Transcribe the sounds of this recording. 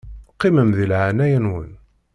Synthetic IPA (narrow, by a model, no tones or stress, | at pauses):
qːiməmðilʕanæjənwə̰n